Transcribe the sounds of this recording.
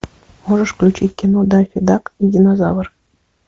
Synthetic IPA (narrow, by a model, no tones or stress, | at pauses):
moʒə̆ʃklʲut͡ɕitʲkʲinod̪ɑfʲid̪ɑkjidʲinozɑβɤ̆r